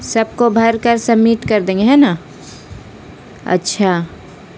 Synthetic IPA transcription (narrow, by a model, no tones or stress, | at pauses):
sɐb̚kobʱɐɾkəɾsəmːiːʈkɐɾd̪ẽːŋɡeɦɛːna | ɐ̰tːʃʰa